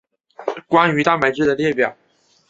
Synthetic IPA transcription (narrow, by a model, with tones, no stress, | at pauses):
kwa˥ny˧˥t̪ʰa˥˩ma˨˩ɪʈ͡ʂɻ̩˥˩d̪ə˩ljɛ˥˩pjɑ˨˩˦ʊ